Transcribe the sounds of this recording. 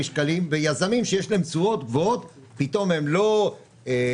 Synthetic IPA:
iʃkalimvejazamimʃejeʃleemt͡suo̞t̪ɡvoot̪ | pit̪o̞me̞mlo̞ | e

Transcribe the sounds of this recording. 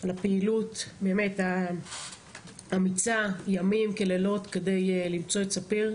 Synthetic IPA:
alapeilutbeːme̞ta | amit͡sajamimkelelo̞tke̞de̞jlimt͡so̞etsapiʁ

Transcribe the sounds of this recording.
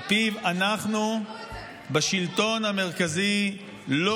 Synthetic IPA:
pivanaχnu | baʃilto̞nameʁkazi | lo

